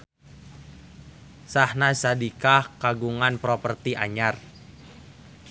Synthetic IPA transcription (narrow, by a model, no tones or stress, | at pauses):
sahnasadikahkaɡuŋanpɾɔpərt̪iʔa̰ɲar